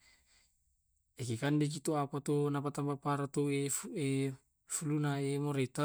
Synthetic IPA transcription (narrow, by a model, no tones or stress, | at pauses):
ekekandek̬it̪oapat̪onapat̪ambpapaɾat̪oefe | fulunaemɔɾet̪a